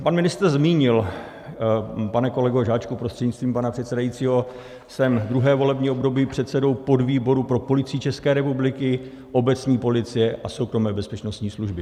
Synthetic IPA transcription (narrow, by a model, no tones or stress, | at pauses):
panmɪnɪst̪ɾzmiːɲɪl | panɛko̞lɛɡoʒaːt͡ʃkupɾost̪r̥ɛdɲɪt͡st̪viːmpanapr̥ɛt̪sɛdajit͡siːɦo̞ | sɛmd̪ɾuɦɛːvo̞lɛbɲiːʔobdo̞biːpr̝̥ɛt̪sɛdo̞wpo̞dviːbo̞ɾupɾo̞po̞lɪt͡siːt͡ʃɛskɛːɾɛpublɪkɪ | ʔo̞bɛt͡sɲiːpo̞lɪt͡sɪjɛʔaso̞wkɾo̞mɛːbɛspɛt͡ʃno̞st̪ɲiːsluʒbɪ